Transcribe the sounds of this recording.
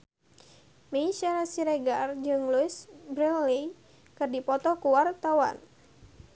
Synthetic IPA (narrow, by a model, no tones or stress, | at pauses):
meʃaɾasiɾɛɡard͡ʒɨŋluɪsbɾɛlːi | kɨrdipɔt̪ɔkuwart̪awa̰n